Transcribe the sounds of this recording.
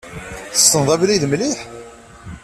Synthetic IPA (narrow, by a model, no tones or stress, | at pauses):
θəsːənðˤævliðmliħ